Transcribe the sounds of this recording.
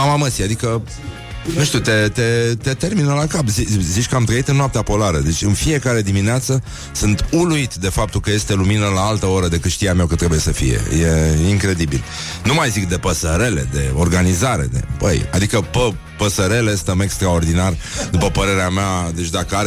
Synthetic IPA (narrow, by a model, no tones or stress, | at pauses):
amaməsiad̪ikə | nuʃt̪it̪e̞t̪e̞t̪e̞t̪e̞rminəlakapzizit͡ʃʲkəamt̪ɾəit̪ɨnnːoap̚t̪eapo̞laɾəd̪e̞t͡ʃʲɨnfie̞kaɾe̞d̪imineat̪sə | sɨnt̪uluit̪d̪e̞fap̚t̪ulkəje̞st̪e̞luminəlaalt̪əo̞ɾəd̪e̞kɨt̪ʃt̪ijameakət̪ːɾe̞buje̞səfḭje̞̰je̞iŋkɾe̞d̪ibil | numajzikd̪e̞pəsəɾe̞le̞̰d̪e̞̰o̞rɡanizaɾe̞̰d̪e̞̰bə̰ja̰d̪ikəpə | pəsəɾe̞le̞st̪əme̞kst̪ɾao̞rd̪inar | d̪upəpəɾe̞ɾeamead̪e̞t͡ʃʲd̪akəaɾe